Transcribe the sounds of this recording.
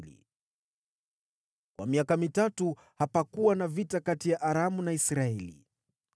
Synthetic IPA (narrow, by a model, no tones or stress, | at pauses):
lḭ | kwʔa̰miakamitatu | hapakuwanavitakatijaʔaɾamunaisɾaɛlḭ